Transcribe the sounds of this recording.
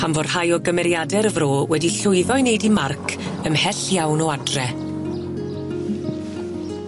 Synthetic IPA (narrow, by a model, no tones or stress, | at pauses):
amvɔrhajɔɡəmɛɾjadɛɾəvroːwɛdiɬʊɨðɔɨnejdimarkʰəmhɛɬjawnɔadrɛ